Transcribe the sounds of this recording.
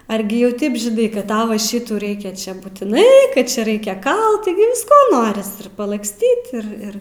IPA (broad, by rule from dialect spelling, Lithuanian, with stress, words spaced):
ˈɐrʲɡʲɪ jɛʊ ˈtɐɪp ʒʲɪˈnɐɪ kɐt ˈtɐʊ ʋɐ ˈʃʲɪtuː ˈrɐɪkʲɛ ˈt͡ʃʲɛ buːtʲɪˈnɐɪ ˈkɐt ˈt͡ʃʲɛ ˈrɐɪkʲɛ ˈkɐlˠt tʲɪˈɡʲɪ ʋʲɪsˈkoː ˈnoːrʲɪs ɪr pɐlˠɐksʲˈtʲiːt ɪr ˈɪr